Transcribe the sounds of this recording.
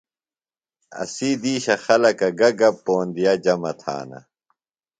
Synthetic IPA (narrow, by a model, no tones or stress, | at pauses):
ɐ̰siːd̪iːɕɐxɐlɐkɐɡɐɡɐpːoːnd̪ijɐd͡ʑɐmɐt̪ʰa̰ːnɐ̰